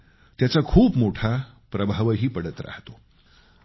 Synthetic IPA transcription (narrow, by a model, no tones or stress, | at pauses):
t̪jat͡sakʰuːpmoʈʰa | pɾəbʱaʋəɦiːpəɽət̪ɾa̰ht̪o